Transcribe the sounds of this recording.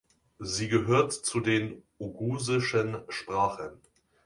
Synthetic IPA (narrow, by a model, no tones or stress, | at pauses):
ziːɡəɦøːɐtt͡sudeːnʔuɡuːzɪʃənʃpʁ̥aːχən